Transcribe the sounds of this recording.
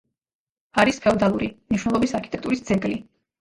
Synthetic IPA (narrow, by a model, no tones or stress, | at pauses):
aɾispʰɛɔd̪alˠuɾimniʃwnɛlˠɔbisaɾkʰit̪ʼɛkt̪ʼuɾisd̪zɛɡli